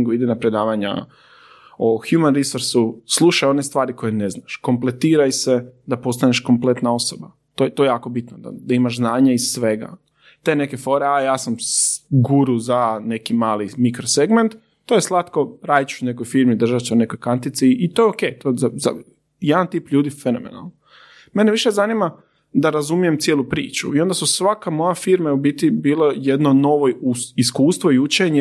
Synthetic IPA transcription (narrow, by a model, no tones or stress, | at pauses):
ŋɡuid̪inapɾe̞d̪aːʋaɲa̰ | oxjumanɾisoɾsuslˠuʃajo̞nest̪ʋaːɾiko̞jene̞znaʃko̞mplet̪iːɾajse̞d̪apo̞st̪aneʃko̞mple̞t̪nao̞soba | t̪ot̪ojejaːko̞bit̪nod̪a̰d̪aimaʒznaːɲaissʋe̞ɡa̰ | t̪e̞ːne̞ke̞fo̞ɾeajaːsamsɡuɾuzane̞kimaːlimikɾoseɡment̪ː | oːjeslˠat̪ko̞ɾaːjt͡ʃʃune̞kojfiɾmid̪r̩ʒat͡ʃeune̞ko̞jkant̪it̪siːt̪o̞jokejt̪ozaza̰ | jed̪ant̪iːpʎuːd̪ifeno̞̰mḛna̰lˠno | me̞neʋiʃezanima | d̪aɾazumije̞mt̪sjeːlˠupɾḭːt͡ɕṵio̞nd̪asusʋakamo̞jafiɾmaubit̪ibiːlejed̪no̞no̞ʋouiskuːst̪ʋoiut͡ʃeɲe